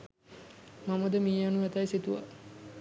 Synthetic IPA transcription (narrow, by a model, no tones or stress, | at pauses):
maməd̪əmiːjanuʋɛt̪ajsit̪uʋa̰